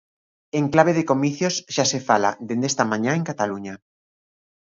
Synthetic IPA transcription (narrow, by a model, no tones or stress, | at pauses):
eŋklaβ̞eðekomiθjosʃasefala̰d̪end̪est̪amãɲãeŋkat̪aluɲa